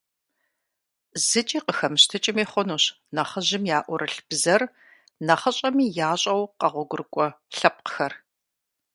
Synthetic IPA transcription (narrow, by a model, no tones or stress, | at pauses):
zɨt͡ʃʼiːqəxɐmɨɕtʰɨt͡ʃʼɪmeːχʷɔnuːɕ | nɐχəʒɪmjaːʔʷɔɾʔɨɬb̥zɐr | nɐχɐɕʼɐmiːjaːɕʼɐwqɐʁʷɔɡʷʊrkʷʼɔ | ɬɐp̚qəxɐr